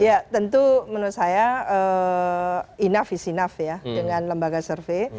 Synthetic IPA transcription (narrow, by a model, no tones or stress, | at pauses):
jat̪ənt̪umənusajaə | inafisinafjaddəŋanləmbaɡasərfe